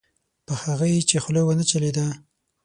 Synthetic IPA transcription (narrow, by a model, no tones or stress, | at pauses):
pəhaɣajet͡ʃexlejwənət͡ʃaled̪a